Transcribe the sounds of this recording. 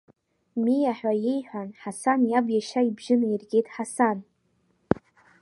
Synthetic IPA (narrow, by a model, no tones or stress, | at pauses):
mijaħʷᶣajejħʷᶣanħasanjabjaʃaibʒɪnirɡʲejtħasan